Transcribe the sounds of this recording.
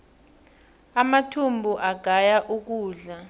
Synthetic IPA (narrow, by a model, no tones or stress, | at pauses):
amatʰumbʱuʔaɡ̥ʱajaʔuk̬uːɮa